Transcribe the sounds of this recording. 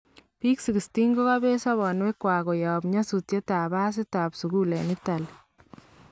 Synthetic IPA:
piː˦ksi˨ɡi˨sti˦ŋɡo˦ka˦be˦sa˦βɔ˨nwe˦kwa˨ɣɔ˨ja˨bɲa˦su˨tje˦ta˨βa˦s̬ɪ˦ta˨psu˨ɡu˦lɛ˨nɪ˦ta˨l

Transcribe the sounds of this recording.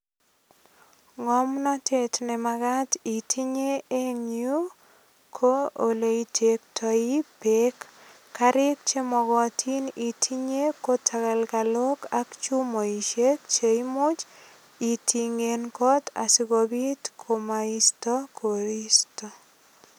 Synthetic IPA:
ŋɔ˦mnɔ˦tʰe˦tne˨maɡa˦ti˨tʰi˦ɲe˦e˦ɲju˦ | kʰo˦o˨le˨i˨tʰe˨k̚tʰɔ˨i˦pe˦kː | a˦ɾɪ˦k̚t͡ʃe˦mɔ˨ɡɔ˨tʰi˦ni˨tʰi˦ɲe˦ko˦tʰa˨ɣa˨lka˨lo˦ka˦kt͡ʃu˦mo˨i˨ʃe˦k̚t͡ʃe˨imʊ˦t͡ʃ | i˨tʰi˨ŋe˨nkɔ˦t̪a̰˨sɪ˦ɡobi˦tkʰo˨maistɔ˦kʰo˨ɾi˦stɔ

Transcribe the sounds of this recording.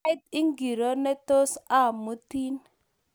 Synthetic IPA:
i˦t̚i˦ŋɡi˨ɾo˦ne˦t̪o˦sa˦˨mu˦ti˦n

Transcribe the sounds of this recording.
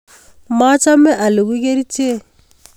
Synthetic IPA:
ma˦t͡ʃa˦mɛ˦ʔa˨lɪ˨ku˦k̬e˦ɾi˦t͡ʃe˦

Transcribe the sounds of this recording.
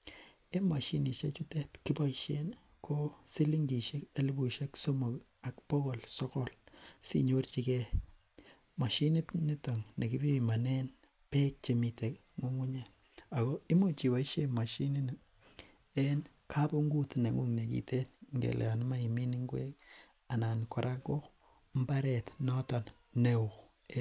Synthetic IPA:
e˦ma˨ʃi˨ni˨ʃḛ˦t͡ʃu˦te˦tki˦pa˦iʃe˦n | kʰo˦si˦li˦ŋɡi˨ʃe˦ke˦li˦bu˨ʃe˦kso˦mo˨k | a˨kpɔ˦ko˨lsɔ˦kɔ˦lsḭ˦ɲo˦rt͡ʃi˦kɛ˦ | ma˨ʃi˦nɪ˦tni˦to˨ŋne˨ki˦bi˦˨ma˨nɛ˦n | pe˦k̚t͡ʃe˨mi˨te˨k | mu˦ŋu˦ɲe˦ | a˨ko˦i˦mo˦t͡ʃi˨wa˨i˦ʃe˦ma˨ʃi˦ni˦n | e˦n | kʰa˦po˦ŋɡu˦tne˨ŋu˦ŋne˨kḭ˨te˦nŋɡḛ˨l̰ja˨n˦ma˦i˨mi˦ni˦ŋɡwḛ˦k̚ | a˨na˨nko˨ɾʔa˦ko˦ | mba˦ɾetnɔ˦tɔn | neo˨

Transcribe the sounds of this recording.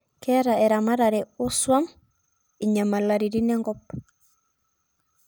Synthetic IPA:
kɛ˦ɾa˨ɛ˨ɾa˨ma˦ɾa˨ɾɛ˨o˦swa˦m | i˨ɲa˨ma˨la˨ɾi˨ɾi˦nɛ˦ŋɡɔp̚

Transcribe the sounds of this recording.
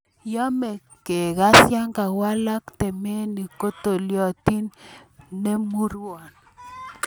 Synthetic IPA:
jɔ˦mɛ˨ | ke˨ɣa˦sja˦ŋɡa˨wa˦la˦kt̪ɛ˨me˦ni˨ko˦t̪o˨ljɔ˦˨ti˦nː | e˦mu˦ɾwɔ˨n

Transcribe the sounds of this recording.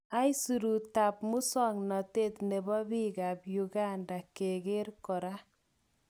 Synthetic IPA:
a˦i˦su˨ɾu˨ta˨pmʊ˦sɔ˦ŋnɔ˨te˦t̪ne˨bɔ˦bi˦ɡa˨pju˨ɡa˦nda˨ke˨ɡe˦ɾkɔ˨ɾa˦

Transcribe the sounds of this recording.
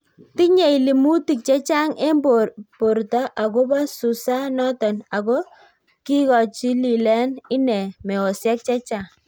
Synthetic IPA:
ti˦ɲe˨i˨li˨mu˦ti˨k̚t͡ʃɛ˦t͡ʃa˦ŋe˦bo˨po˨rtɔ˦ʔa˨ko˦ba˦su˨sa˦nɔ˦tɔ˨na˨kɔ˦ | ki˦kɔ˨t͡ʃi˦li˨lɛ˦nɪ˦nɛ˨mɛ˨o˨sjɛ˦k̚t͡ʃɛ˦t͡ʃa˨ŋ

